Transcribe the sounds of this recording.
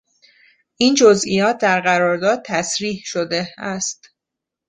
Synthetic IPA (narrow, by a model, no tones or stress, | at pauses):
ʔiːnd͡ʒozijɒːt̪̚ʰd̪æɾɢæɾɒːɾd̪ɒːd̪̚t̪ʰæsɾiːhʃod̪e̞æst̪